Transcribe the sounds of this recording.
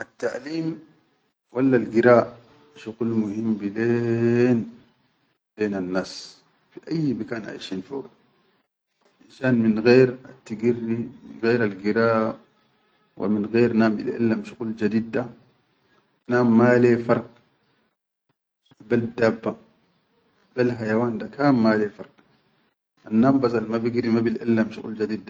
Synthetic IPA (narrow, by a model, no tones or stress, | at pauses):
ʔat̪ːaʔliːm | walːalɡiɾaːʔ | ʃuqulmuhimːbileːn | beːnanːaːs | fiʔajːmakaːnʔa̰ʕiʃiːnfoːɡa | ʔinʃaːnminɣeːɾat̪ːaɡirːimḭnɣeːɾalɡiɾaː | wʔa̰minɣeːɾnaːmḭlʔa̰lːamʃuquld͡ʒad̪iːd̪ːa | naːmːaːleːfɑɾˤq̚ | bald̪abːa | balɦajawaːnd̪akaːmmaːlefɑɾˤq | ʔanːaːmbazɑlmabiɡiɾimabilʔa̰lːamʃuɣṵld͡ʒad̪iːd̪a